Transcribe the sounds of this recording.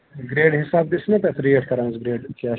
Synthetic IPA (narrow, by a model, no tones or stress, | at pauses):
ɡɾeːɖɦɪsaːb̚d̪ɪsnãp̪ɛːt̪ɾieːʈkəɾãːzɡɾeːɖkaː